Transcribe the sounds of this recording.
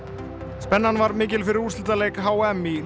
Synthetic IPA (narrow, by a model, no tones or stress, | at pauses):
spɛnːanvaɾmɪːc̬ɪlfɪɾɪɾust̪ɪlt̪alejkɦaːwɛmi